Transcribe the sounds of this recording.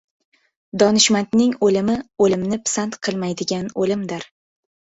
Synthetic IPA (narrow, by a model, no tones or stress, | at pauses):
d̪ɒnɪʃmant̪nɪŋolɪmɪolɪmnɪpʰsant̪qʰɨlˠmajd̪ɪɡʲanolɪmd̪ɪɾ